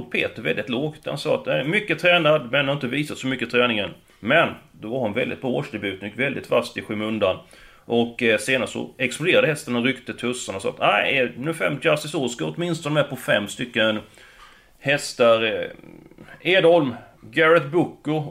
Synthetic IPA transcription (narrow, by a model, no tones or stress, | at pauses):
t̪̚pʰḛːt̪əɾvɛ̰ld̪ɪt̪loːɡt̪ha̰nsɑ̰ːa̰t̪mʏkːət̪ʰɾɛːnad̪mɛnhaɾɪnt̪əviːsat̪sɔmʏkːət̪ʰɾɛːnɪŋən | mɛnd̪ɔvaɾhʊnvɛ̰ld̪ɪ̰t̪̚bɑːoːʂd̪ɛbʉ̟ːt̪ənjɪkvɛld̪ɪt̪fast̪ɪɧʉːmɵnd̪an | ʔɔkseːnast̪sɔ̰ɛksplʊd̪eːɾad̪əhɛst̪əɳaɾʏkt̪ət̪ʰɵsːanasɑ̰ːt̪æɪɛnʉːfɛ̰mːjasɪsuːskaɔt̪mɪnst̪ɔnəɛpʰɔfɛmːst̪ʏkːən | hɛst̪aɾ | eːd̪ɔlm | ɡæɾat̪bʊkːʊ